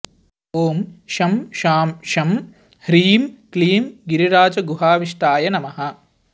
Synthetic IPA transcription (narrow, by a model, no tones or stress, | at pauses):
oːmʃɐmʃaːmʃɐm | hɾiːmkliːmɡiɾiɾaːd͡ʒɐɡuɦaːʋiʂʈaːjɐnɐmɐɦɐ